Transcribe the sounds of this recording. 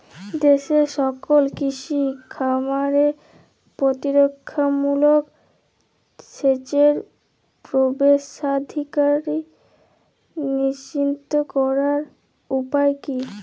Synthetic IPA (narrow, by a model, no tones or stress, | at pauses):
d̪eʃeʃɔkolkiʃikʰamaɾe | pɾot̪iɾokʰːamulok | ʃet͡ɕeɾ | pɾobeʃad̪ʱikaɾi | niʃint̪okɔɾaɾ | upaeki